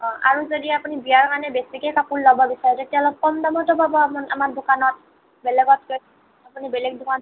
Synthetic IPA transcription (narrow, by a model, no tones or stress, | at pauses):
ɔ̃ʔa̰ɹuzodiapunibijaɹkanɛbesikekapulːɔbɔbisaɹɛtetialɔb̚kɔmdɔmɔtɔbabɔamɔnamaɹdukanɔt̚ | bɛlɛɡɔt̚ko | apunibɛlɛk̚dukan